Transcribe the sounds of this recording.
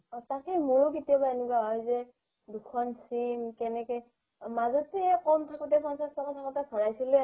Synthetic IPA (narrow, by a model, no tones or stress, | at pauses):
takimʊɹketijabaenɛkwaɦɔjzɛ | dukʰɔnsimkɛnɛkɔj | mazɔtiɛkɔmtʰakutɛpãnsastɔkatʰakɔtasʰɔɹajsilɛ